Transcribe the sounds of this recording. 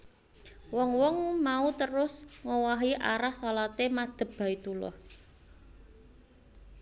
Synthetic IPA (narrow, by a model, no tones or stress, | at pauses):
wɔŋwɔŋmaut̪əɾʊsŋowaɦiʔa̰ɾahsalat̪emad̪̥ə̤b̥b̥a̤it̪ulʊ̰h